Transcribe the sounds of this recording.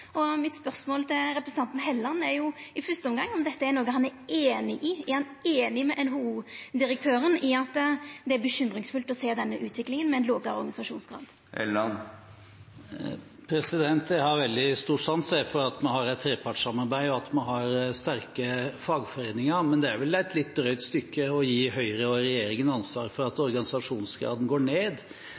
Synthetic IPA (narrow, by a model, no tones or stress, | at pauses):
ɔmɪt̪spœʁsmoːlt̪ʰɪlɾɛpɾəsən̩t̪ɑnt̪n̩ɦɛlːɑnːɛɾjʊɪfœst̪əɔmɡɑŋːɔmd̪ɛt̪ːəæɾnoːɡəɦɑnæɾeːnɪʔɪæɾhɑneːnɪmɛʔɛnɦuuːd̪ɪɾək̚t̪ʰøːɾənɪɑt̪ːd̪ɛæɾbəɕʏmːɾɪŋsfʉlt̪ɔseːd̪ɛnːəʔʉːt̪ʰʋɪklɪŋənmɛɛnloːɡɑɔɾɡɑnɪsɑʂuːnsɡɾɑ̰ːd̪̥ | ɛ̰lɑn | pʰɾɛsɪd̪ɛnt̪ʰjæhɑɾʋɛld̪ɪst̪uːʂɑnsæfɔɾɑt̪mɑnɦɑɾæɛt̪ʰːɾeːpʰɑʈʂɑmːɑɾbæɪɔɑt̪mɑnɦɑɾst̪æɾkəfɑːɡfɔɾeːnɪŋɑmɛnd̪ɛæɾʋɛlæɪt̪ʰlɪt̪̚d̪ɾœʏt̪st̪ʏkːəɔjiːɦœʏɾəɔɾɛjeːɾɪŋənəɑnsʋɑ̰ːɾfɔɾɑt̪ɔɾɡɑnɪsɑʂuːnsɡɾɑ̰ːd̪n̩ɡoːɳeːd̪